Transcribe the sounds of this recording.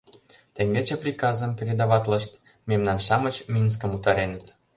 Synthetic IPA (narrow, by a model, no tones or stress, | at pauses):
t̪ĕŋɡ̪et͡ɕeprʲikɑzə̆mpʲeɾʲed̪ɑβɑt̪lə̆ʃt̪ | memnɑnʃɑmə̆t͡ɕmʲins̬kə̆mut̪ɑɾenə̆t̪